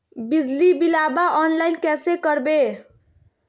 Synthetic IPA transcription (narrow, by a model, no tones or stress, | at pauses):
bid͡zlibilabaʔɔnlajnkɛsekəɾbe